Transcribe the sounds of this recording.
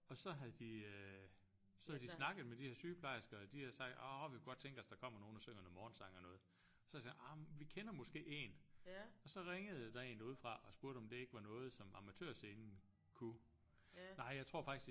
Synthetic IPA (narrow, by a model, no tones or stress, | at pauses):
ɒ̽sɒ̽ɦæð̩ˠd̥iø | sɒ̽hæðˠdisnɑ̈ɡ̥ð̩ˠmed̥iheɐ̰syːpʰlɑ̈ɪ̰sɡ̥ɐd̥ihæɐsɑ̈ɡ̥̚d̥ɒʋikʰuɡ̥d̥̚t͡sʰeŋɡ̥æsd̥ɑ̈kʰɒ̽m̰ɐno̝ːn̩ɒsøŋ̰ɐn̩mɒːnsɑ̈ŋ̰ɒnɔ̽ːð̩ˠ | ɒsɒsɑɑmʋikʰenɐmɔ̽sɡ̥e̝̰ːe̝nɒ̽sɒ̽ʁeŋəð̞̩ˠd̥ɑ̈e̝̰ːnuð̞̰ˠfʁɑ̈ʔɒ̽sb̥uɐɾ̥əɒ̽md̥e̝e̝ɡ̥əʋɑ̈nɔ̽ːð̞̩ˠsɒ̽mɑ̈mæt͡sʰø̰ɐ̰se̝ːnn̩ | kʰu | nɑ̈ɪ̰jɑ̈ɪt͡sʰʁo̝ɐ̰fɑ̈ɡ̥is